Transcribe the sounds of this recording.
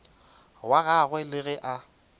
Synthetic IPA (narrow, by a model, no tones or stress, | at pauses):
waɣaɣwɛlɪɣɛʔa